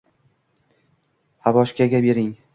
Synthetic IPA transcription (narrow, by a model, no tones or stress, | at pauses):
havɒʃkʲaɡʲabe̞ɾɪŋ